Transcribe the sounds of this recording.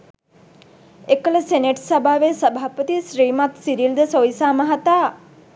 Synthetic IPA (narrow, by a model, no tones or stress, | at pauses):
ekələseneʈsabʱaːʋesəbʱaːpət̪isɾiːmat̪siɾild̪əsoisaːmaɦat̪aː